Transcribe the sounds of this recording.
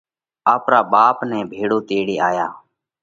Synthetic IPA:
aːpɾaːɓaːpnɛ̃ːbʱeːɽoːt̪eːɽiːaːjaː

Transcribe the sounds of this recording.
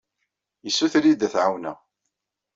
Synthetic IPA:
jəsːuθɾid̪θʕawnæ̰

